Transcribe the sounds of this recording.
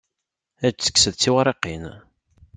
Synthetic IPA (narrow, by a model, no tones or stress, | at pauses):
æd͡ʒt͡sːə̥kːsəðt͡sːiwaɾˤeqin